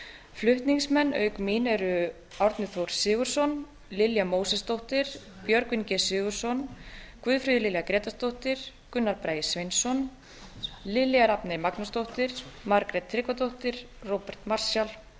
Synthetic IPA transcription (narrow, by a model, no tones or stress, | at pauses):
flʏht̪niŋsmɛnːœːɥkmiːnɛɾʏ | awɾt̪nʏθowɾ̥sɪːɣʏɾ̥sɔn | lɪljamoːwsɛst̪owht̪ɪɾ̥ | pjœɾkvɪncɛsɪːɣʏɾ̥sɔnkvʏðfɾʏːðɪlɪljakɾɛːt̪ast̪owht̪ɪɾ̥ | kʏnːaɾpɾaːjɪ̥svejnsɔn | lɪljaɾapnejmaknast̪owht̪ɪɾ̥maɾkɾɛt̪ʰːɾɪːkvat̪owht̪ɪɾ̥ː | owpɛɾ̥t̪mar̥sjal